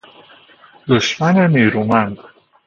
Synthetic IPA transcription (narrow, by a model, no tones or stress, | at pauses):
d̪oʃmaneneːɾumand̪